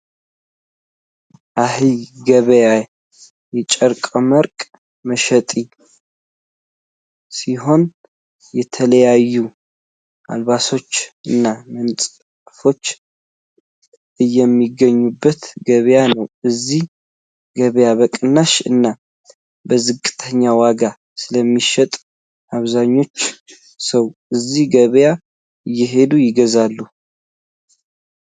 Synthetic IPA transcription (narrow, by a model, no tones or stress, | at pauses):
ʔahlɡəβəja | jɛt͡ʃʼəɾkʼəməɾkʼ | məʃɛt̪ʼi | siɦo̞n | jɛt̪ʰələjajːu | ʔa̰lβaso̞t͡ʃːɨnːamɨnt͡sʼ | fo̞t͡ʃː | ɨjːɛmːiɡəɲːubːət̪ɡəβjanəwɨzːih | ɡəβjaβəkʼɨnːaʃɨ̰nːa | bəzɨɡʼɨt̪ʰəɲːawaɡa | sɨləmːiʃɛt̪ʼ | aβzaɲːo̞t͡ʃː | səwɨzːihɡəβja | ɨjːɪɦe̞d̪ujɪɡəzalːu